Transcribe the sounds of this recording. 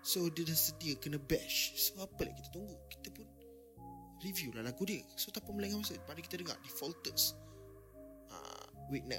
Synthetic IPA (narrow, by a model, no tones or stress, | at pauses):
sodədəsədiəkənəbɛʃsoapəlja̰ʔki̥t̪ḁt̪uŋɡoʔki̥t̪əpʊn | rivjulalaɡudiəsot̪apamlaŋamasəpadəkit̪ədəɡŋa̰ʔdifɔlt̪əs | ə̰wik̚na̰